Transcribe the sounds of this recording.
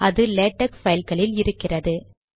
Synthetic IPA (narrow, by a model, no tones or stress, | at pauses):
ʔɐðɯleːʈːɐkfɐjlkɐɭɪlɪɾɯkːɪrɐðɯ